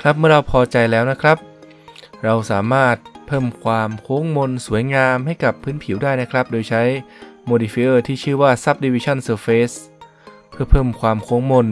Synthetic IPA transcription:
kʰɾa˦˥p̚mɯ˥˩ɐɾa˧wpʰɔː˧t͡ɕa˧jlɛː˦˥wna˦˥kʰɾa˦˥p̚ | ɾa˧wsaː˩˦maː˥˩t̪̚pʰɤː˥˩mkʰwaː˧mkʰoː˦˥ŋmo˧nsu˨˩˦jŋaː˧mɦa˥˩jka˨˩pʰːɯː˦˥npʰi˨˩˦wdaː˥˩jna˦˥kʰɾa˦˥p̚doː˧jt͡ɕʰa˦˥jmoː˧diː˧fi˦˥ʔɤː˥˩t̪ʰiː˥˩t͡ɕʰɯː˥˩waː˥˩sa˦˥p̚di˧wiː˧t͡ɕʰa˥˩nsɤː˧feː˦˥s | pʰɯ˥˩ɐpʰɤː˥˩mkʰwaː˧mkʰoː˦˥ŋmo˧n

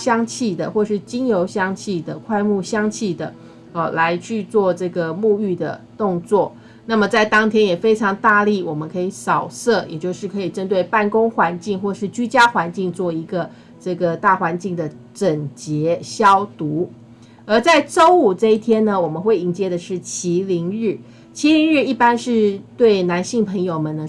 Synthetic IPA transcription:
ɕjɑ˥ŋt͡ɕʰi˥˩d̪ə˩xwɔ˥˩ʂɻ̩˥˩t͡ɕi˥njo˧˥ʊɕjɑ˥ŋt͡ɕʰi˥˩d̪ə˩kʰwa˥˧ɪmu˥˩ɕjɑ˥ŋt͡ɕʰi˥˩d̪ə̰˩˥˨ | la˧˦ɪt͡ɕʰy˥˧t͡swɔ˥˧ʈ͡ʂɤ˥˩ɡə˩mu˥˧y˥˩d̪ə̰˩t̪ʊ˥˧ŋt͡swɔ˥˩ | na˥˩mə˨˩t͡sa˥˩ɪt̪ɑ˥ŋt̪ʰjɛ˥njɛ˨˩fe˥ɪʈ͡ʂʰɑ˧˥ŋt̪a˥˧li˥˩wɔ˨˩mə˦nkʰɤ˧˥i˧˥sɑ˨˩ʊsɤ˥˩jɛ˨˩t͡ɕjo˥˧ʊʂɻ̩˥˩kʰɤ˧˥i˨˩ʈ͡ʂə˥nt̪we˥˧ɪpa˥˩nkʊ˥ŋxwa˧˥nt͡ɕi˥˧ŋxwɔ˥˩ʂɻ̩˥˩t͡ɕy˥t͡ɕja˥xwa˧˥nt͡ɕi˥˧ŋt͡swɔ˥˩i˧˥ɡə˧ | ʈ͡ʂɤ˥˩ɡə˩t̪a˥˩xwa˧˦nt͡ɕi˥˩ŋd̪ə˩ | ʈ͡ʂə˨˩ŋt͡ɕjɛ˧˥˦ɕjɑ˥ʊt̪u˧˥ | ə˞˧˥t͡sa˥˩ɪʈ͡ʂo˥ʊu˨˩ʈ͡ʂɤ˥˧i˥˩t̪ʰjɛ˥nnə˨wɔ˨˩mə˦nxwe˥˩ɪi˧˥ŋt͡ɕjɛ˥d̪ə˨ʂɻ̩˥˩t͡ɕʰi˧˥li˧˥ŋɻ̩˥˩ | t͡ɕʰi˧˥li˧˥ŋɻɻ̩˥˧i˥˩pa˥nʂɻ̩˥˧t̪we˥˩ɪna˧˥nɕi˥˩ŋpʰə˧˥ŋjo˨˩ʊmə˨nə˩

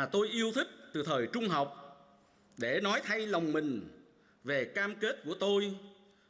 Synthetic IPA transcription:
t̪o˧jʔi˧əwt̪ʰï˦˥k̟̚t̪ɨ˨˩t̪ʰəː˨˩jt͡ɕʊ˧ŋ͡mɦa˨˩wk͡p̚ | ɗe˧˩nɔ˨˦jt̪ʰa˧jla˨˩wŋ͡mmï˨˩ŋ̟ | ve˨˩kaː˧mke˦˥t̚ku˧˩ət̪o˧j

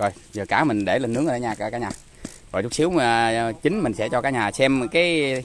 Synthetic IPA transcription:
zo˨˩j | zəː˨˩kaː˧˩mï˨˩ŋ̟ɗe˧˩le˨˩nːɨ˨˦əŋː˨˧˩aː˧˦ɲaː˨˩kːkaː˦˥kɲaː˨˩ | zɔ̰˨˩jt͡ɕʊ˦˥k͡p̚si˨˦wt͡ɕï˨˦ŋ̟mï̟˨˩sɛ̰˧˥t͡ɕɔ˧kaː˦˥k̚ɲaː˨˩sɛ˧mkaː˨˦j

